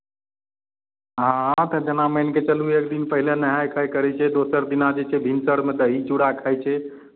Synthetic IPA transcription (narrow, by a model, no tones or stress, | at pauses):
ɦãt̪əd͡ʒənaməjnket͡ʃəluekd̪inpəɦilenəɦajkʰəjkəɾɛt͡ʃʰɛd̪osəɾd̪inad͡ʒet͡ʃʰɛbʱinsəɽmed̪əɦit͡ʃuɽakʰəjt͡ʃʰɛ